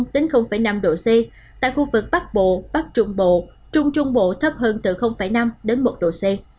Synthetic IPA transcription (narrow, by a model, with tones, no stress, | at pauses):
ŋ͡mɗe˨˦nxə˧wŋ͡mfaː˧˩jna˧mɗo̰˧˨se˧ | t̪a̰ː˧˨jxu˧vɨ˨˩k̚ɓa˦˥k̚ɓo̰˧˨ɓa˦˥k̚t͡ɕʊ˧ŋ͡mɓo̰˧˨ | t͡ɕʊ˧ŋ͡mt͡ɕʊ˧ŋ͡mɓo̰˧˨t̪ʰə˦˥p̚ɦəː˧nt̪ɨ˧˩xə˧wŋ͡mfaː˧˩jna˧mɗe˨˦nmo˨˩t̚ɗo̰˧˨se˧